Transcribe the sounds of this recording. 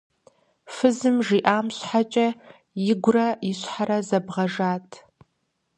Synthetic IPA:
fɨzɨmʒiːʔaːmɕħat͡ʃʼɐ | jɪɡʷʊrɐjɪɕħaɾɐzɐbʁɐʒaːtʰ

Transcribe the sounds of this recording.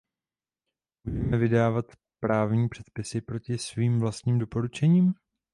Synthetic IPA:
budɛmɛvɪdaːvat̪ | pɾaːvɲiːpr̝̥ɛt̪pɪsɪpɾo̞cɪsviːmvlast̪ɲiːmdo̞po̞ɾut͡ʃɛɲiːm

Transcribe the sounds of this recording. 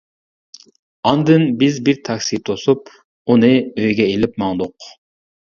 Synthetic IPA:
ɑnd̪ɨnbɪzbiɾt̪ʰɑkʲsit̪ʰosup̚ | unɨøjɡʲɛelɪpmɑŋd̪ʊq

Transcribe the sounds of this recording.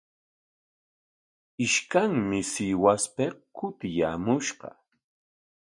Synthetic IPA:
ɪʃkaŋmɪsɪwaspekʊt̪ɪja̰ːmʊʃɢɑ̰

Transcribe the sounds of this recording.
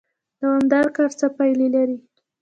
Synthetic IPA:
d̪əwand̪aɾkaɾt͡sapajlelaɾi

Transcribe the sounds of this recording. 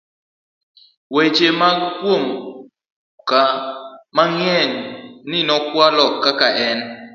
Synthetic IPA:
wet͡ʃemakwom | kamaŋɛŋninɔkwalɔkːakaʔɛn

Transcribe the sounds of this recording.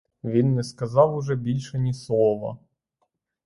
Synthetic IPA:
ʋʲinːɛskɐzɑwʊʐɛbʲilʲʃɛnʲislˠɔʋɐ̰

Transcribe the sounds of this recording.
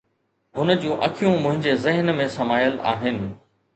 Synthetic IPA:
ɦʊnəd͡ʑũːʔɐ̰kʰijũmʊ̃ɦɪ̃ɲd͡ʑezɪɦnmẽsɐmaːjəla̰ːɦɪnɪ̆

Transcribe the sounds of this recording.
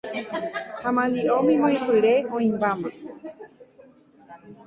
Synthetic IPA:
hãmãliʔomĩmõĩpɨɾeõĩmbamã

